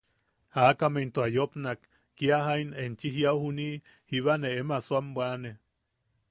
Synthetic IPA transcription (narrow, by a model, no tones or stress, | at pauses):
hakament̪oajopnakː | iaɦainent͡ʃiɦjauhuni | hiβaneemasuambwane